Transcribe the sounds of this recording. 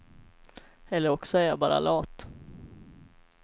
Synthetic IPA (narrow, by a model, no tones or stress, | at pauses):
ɛlːəɾɔksɔæɾjɑbɑːɾa̰lɑːt̪